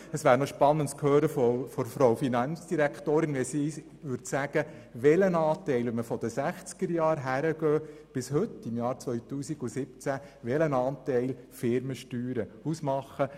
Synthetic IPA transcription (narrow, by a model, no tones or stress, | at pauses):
əsʋæːɾnɔʃpɑnːəntskhøːɾəfɔfɔɾfɾɔwfinɑnt͡sd̥iɾæktoːɾɪnʋɛsi | ʋʏɾtsæɡ̥ə | ʋɛlənɑːt̪ɛɪləməfɔd̥̪əsæχt͡skəɾjɑːɾɦæɾəɡ̥œːb̥ɪshɵtːɪmjɑːɾt͡sʋœjt̪uːsiɡusɪp̚t͡sæ | ʋɛlənɑːntɛɪl | fɪɾməʃtyːɾəusmɑχːə